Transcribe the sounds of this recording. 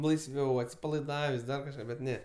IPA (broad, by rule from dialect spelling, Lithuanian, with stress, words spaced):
lˠɐɪsʲˈʋʲɛʊ ɐtʲsʲɪpɐlˠɐɪˈdɑːʋʲeːsʲ ˈdɐr kɐʃˈkɑː bʲɛt ˈnʲɛ